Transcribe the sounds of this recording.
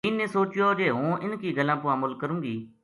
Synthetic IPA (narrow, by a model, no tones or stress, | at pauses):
iːnẽːsoːt͡ʃɪjod͡ʒeːɦũːʔɪnkiːɡəlãːpʊaːməlkəɾũːɡiː